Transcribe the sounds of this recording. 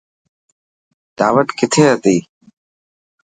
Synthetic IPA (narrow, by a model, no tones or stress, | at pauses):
d̪̥aːʋəʈkɪt̪ʰeːɦət̪iː